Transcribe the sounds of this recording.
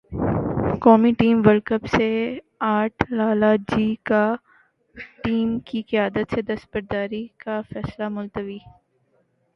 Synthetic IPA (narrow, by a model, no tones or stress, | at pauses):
kɔːmiʈiːmʋəɾkəpse | aːʈʰlaːlad͡ʒiːka | ʈiːmkikɪjaːd̪ət̪sed̪ɐspəɾd̪aːɾikafɛːslamʊlt̪əʋiː